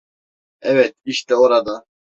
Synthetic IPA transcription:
ɛvɛt̪̚iʃt̪ɛoɾad̪a

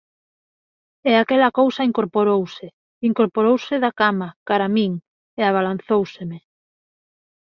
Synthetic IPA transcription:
eakɛlakowsaiŋkoɾpoɾowse | iŋkoɾpoɾowsɪðakamakaɾamiŋ | eaβ̞alanθowseme

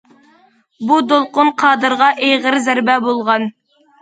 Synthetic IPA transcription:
bud̪olˠqʊnqʰɑːd̪ɨɾʁɑʔejʁəɾzæɾbɛbolˠʁɑn

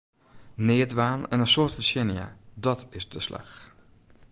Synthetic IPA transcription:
neːdʋaːnɛ̰nənsoːɹtfəʃɪnija̰dɑtɪsdəslʔa̰x

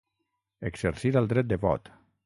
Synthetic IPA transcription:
ekzeɾsiɾalˠd̪ɾɛt̪̚d̪əβɔ̰t̪

